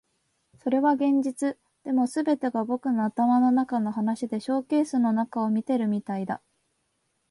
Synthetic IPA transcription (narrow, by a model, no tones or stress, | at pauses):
so̞ɾe̞βaɡẽ̞ɲ̟d͡ʑit͡sɨ | d̪̥e̞mo̞sɨbe̞t̪e̞ɡabo̞kɯ̟no̞at̪amano̞nakano̞ɦanaɕid̪e̞ɕo̞ːke̞ːsɨno̞nakao̞mʲit̪e̞ɾɯ̟mʲit̪aid̪a̰